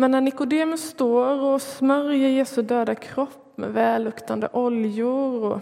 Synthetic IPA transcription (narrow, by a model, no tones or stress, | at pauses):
mɛnːæɳnɪkʊd̪ɪːməst̪oːɾɔsmœɾjəɾjeːsɵd̪øːd̪akʰɾɔpːmɛ̰vɛːlːʊkt̪and̪ə̰ʔɔljʊɾɔ